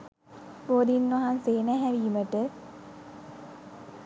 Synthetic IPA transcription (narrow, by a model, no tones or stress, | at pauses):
boːd̪inːaɦanseːnæɦæʋiːməʈə